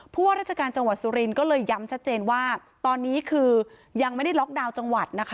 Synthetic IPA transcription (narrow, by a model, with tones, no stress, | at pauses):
pʰuː˥˩waː˥˩ɾa˥˩t͡ɕa˧kaː˧nt͡ɕa˧ŋwa˨˩t̪̚suː˧ɾi˧nkɔː˥˩lɤː˧jːa˦˥mt͡ɕʰa˦˥t̪̚t͡ɕeː˧nwaː˥˩ | t̪ɔː˧nːiː˦˥kʰɯː˧ | ja˧ŋma˥˩jda˥˩jlɔ˦˥k̚daː˧wt͡ɕa˧ŋwa˨˩t̪̚na˦˥kʰa˦˥